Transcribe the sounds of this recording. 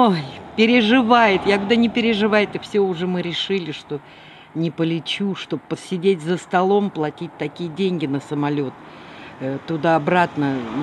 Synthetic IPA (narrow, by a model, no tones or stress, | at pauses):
opʲɪɾʲɪʐɨvajɪt̪jakd̪anʲɪpʲɪɾʲɪʐɨvajɪt̪ɨfsʲoʊʐɛmɨɾʲɪʂɨlʲɪʂt̪o̞ | nʲɪpəlʲɪt͡ɕuʂt̪o̞bpːəsʲɪdʲetʲzəst̪ɐlˠo̞mplˠɐtʲit̚ʲt̪ɐkʲijədʲenʲɡʲɪnəsəmɐlʲo̞t̪̚ | t̪ʊd̪aɐbɾat̪nə